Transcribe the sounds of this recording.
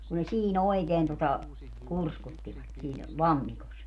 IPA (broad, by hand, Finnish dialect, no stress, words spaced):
ku ne siːn oikeːn totɑ kurskutːiʋɑt siːn lɑmːikos